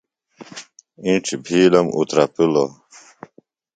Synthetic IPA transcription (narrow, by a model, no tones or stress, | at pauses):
ĩʈ͡ʂbʱiːlɐmṵt̪ɾɐpilo